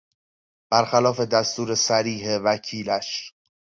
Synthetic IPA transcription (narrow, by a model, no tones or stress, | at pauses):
b̥æɾxælɒːfe̞d̪æst̪uːɾe̞sæɾiːɦevæcʰiːlæʃ